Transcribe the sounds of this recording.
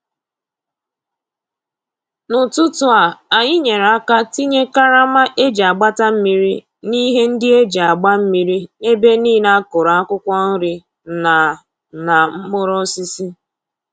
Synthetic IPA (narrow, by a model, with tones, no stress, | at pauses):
nʊ˨tʊ˦tʊ˨a˨a˨ɲɪ˦ɲe˨ɾa˦ka˦ti˦ɲe˦ka˦ɾa˦ma˦ʔe˦d͡ʒa˨ɡ͡ba˦ta˦m̩˦mi˦ɾi˦ | ni˦ɦe˦n̩˦dɪ˦e˦d͡ʒa˨ɡ͡ba˦m̩˦mi˨ɾi˦e˦be˦niː˦na˦kʊ˨ɾa˨a˦kʷʊ˦kʷɔ˦n̩˦ɾɪ˦ | na˨ | na˨m̩˦mʊ˦ɾɔ˦si˦si˦